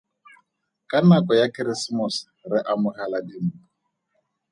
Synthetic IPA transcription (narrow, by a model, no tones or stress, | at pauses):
kʼanakɔjakʼɪɾɪsmʊs | rɪʔamʊhaladɪmuʊ